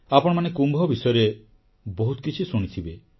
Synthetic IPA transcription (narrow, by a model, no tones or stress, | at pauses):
apɔɽ̃ɔmanekumbʱɔbisɔjɔɾe | bɔɦut̪ɔkit͡ʃʰisuɽ̃it̪ʰibe